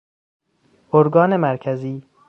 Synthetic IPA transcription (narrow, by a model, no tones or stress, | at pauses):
oɾɡɒːnemæɾkʰæziː